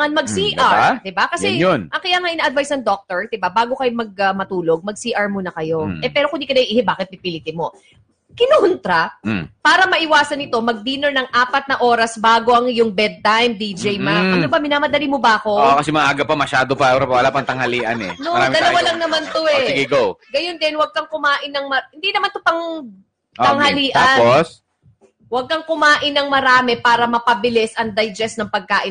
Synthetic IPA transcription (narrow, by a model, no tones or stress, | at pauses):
ŋɐnmɐɡsiʔaɹd̪ɪbakɐsɛjonʔɐŋkɐjaŋaʔɪnaʔɐd̪vajsnɐŋd̪ok̚t̪ɛɹd̪ɪbabaːɡo̞kɐjomɐɡ̚ɐmɐt̪uːlo̞ɡ̚mɐɡ̚siːʔɐɹmonɐkɐjo̞ʔɛpɛːɾo̞kʊnd̪ikɐnɐʔiʔiːhɪbaːkɪt̪̚pɪpɪlɪt̪ɪmo̞ | kɪnont̪ɾɐpaːɾɐmɐʔɪwaːsɐnɪt̪o̞mɐɡ̚d̪iːnoɹnɐŋʔaːpɐt̪̚nɐʔo̞ːɾɐsbaːɡo̞ʔɐŋjʊŋbɛd̪̚t̪ajmd̪iːd͡ʒɛjmɐʔɐnobɐmɪnaːmɐd̪ɐlimobɐʔɐko̞kɐsɛmɐʔaɡɐpɐmɐʃaːd̪opɐoɾɐpɐʔɐlapɐŋt̪ɐŋhɐliːʔɐ̰nɛ̰noɐɾamɪdɐlɐwalɐŋnɐmant̪oɛsɡɛɡowɡɐjond̪ɛnwɐɡ̚kɐŋkʊmaːʔɪnːɐŋmɐhɪnd̪inɐmant̪opɐŋ | t̪ɐŋhɐliːʔt̪ɐanos | wɐɡ̚kɐŋkʊmaːʔɪnːɐŋmɐɾaːmɛpaːɾɐmɐpɐbɪlɪsʔɐŋd̪ɐjd͡ʒɛsnɐŋpɐɡ̚kaːʔɪ